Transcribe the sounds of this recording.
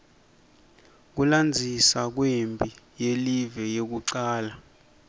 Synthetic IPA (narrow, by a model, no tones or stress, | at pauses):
k̬uland͡zʱisak̬wembʱʼijelivɛjek̬uǀaːla